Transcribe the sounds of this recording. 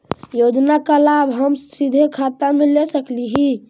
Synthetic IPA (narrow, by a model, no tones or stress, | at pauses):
jod͡ʒnakalabɦəmsid̪ʱekʰat̪amelesəkliɦi